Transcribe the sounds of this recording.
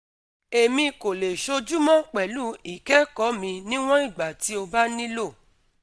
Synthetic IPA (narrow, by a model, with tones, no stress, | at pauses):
e˨mĩ˧ko˨le˨ʃo˧d͡ʒu˦mɔ̃˦˨k͡pɛ˨lu˦i˨kɛ˦kɔ˨˦mĩ˧nĩ˦w̃ɔ̃˦i˦˨ɡ͡ba˨ti˨˦o˧ba˦nĩ˦lo˦˨